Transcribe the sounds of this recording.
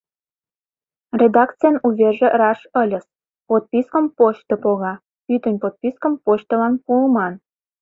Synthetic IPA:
rʲed̪ɑkt͡sijənuβʲeʒĕrɑʃəlʲə̆s | pot̪̚pʲiskə̆mpoɕt̪ə̆poɣɑ | yt̪ə̆nʲpot̪̚pʲiskəmpoɕt̪ə̆lɑnpulmɑn

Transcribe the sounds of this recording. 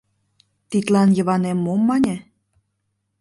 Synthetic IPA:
t̪it̪lɑnjə̆βɑnemːomːɑnʲĕ

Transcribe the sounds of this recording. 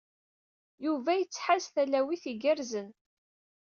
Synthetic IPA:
juvæjət͡sːħazθælæwiθiɡəɾzən

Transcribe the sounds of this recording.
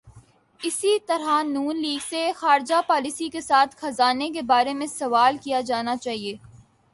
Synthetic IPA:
ɪsit̪ɐɾanuːnliːɡsexaːɾd͡ʒapaːlisikesaːt̪ʰxɐzaːnekebaːɾemẽsɐʋaːlkijad͡ʒaːnat͡ʃaːɦieː

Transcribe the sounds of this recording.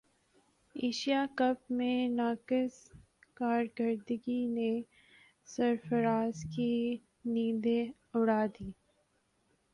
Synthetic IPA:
eːʃijakɐp̚mẽnaːkɪs | kaːɾɡəɾd̪əɡine | sɐɾfəɾaːzki | niːd̪e | ʊɽaːd̪iː

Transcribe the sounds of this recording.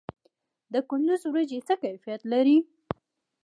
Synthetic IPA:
d̪əkʊnd̪ʊzwɾad͡ʒet͡səkajfijat̪laɾi

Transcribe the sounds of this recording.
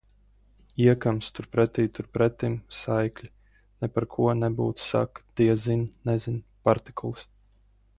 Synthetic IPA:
iɛkamst̪uɾpɾɛt̪iːjt̪uɾpɾɛt̪imsajklʲi | nɛpaɾkʰuɔnɛbṵːt̪ssa̰kd̪̥iɛzinnɛzinpaɾt̪i̥kʰulˠs

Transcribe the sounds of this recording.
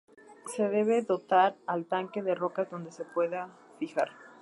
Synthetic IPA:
se̞ðe̞βe̞ðo̞t̪aɾalt̪aŋke̞ðe̞ro̞kazðo̞nd̪e̞se̞pwe̞ða | fixaɾ

